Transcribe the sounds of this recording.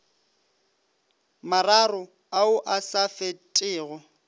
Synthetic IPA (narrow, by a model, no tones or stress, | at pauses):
mararʊ | aʊʔasafetʼɪːɣɔ